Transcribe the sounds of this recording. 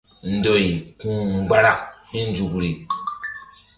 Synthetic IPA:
n̩˨do˨jkũ˦ŋ͡mɡ͡ba˦ɾa˦khi˦n˦d͡ʒu˨kɾi˨

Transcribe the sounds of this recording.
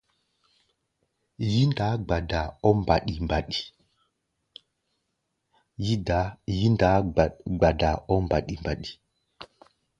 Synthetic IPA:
ji˦nda˨˦ɡ͡ba˨da˨ɔ˦mba˨ɗi˨mba˨ɗi˨ | ji˦da˨˦ji˦nda˨˦ɡ͡ba˨da˨ɔ˦mba˨ɗi˨mba˨ɗi̥˨

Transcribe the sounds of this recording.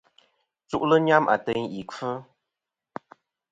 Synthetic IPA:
t͡su˦ʔlə˦ɲa˦mʔa̰˨tə˦ŋi˨kə˦

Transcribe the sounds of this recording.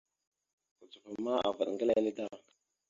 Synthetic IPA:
ku˨t͡su˨fə˨ma˦a̰˨va˨ɗŋɡə˦la˦lə˦da˦˨

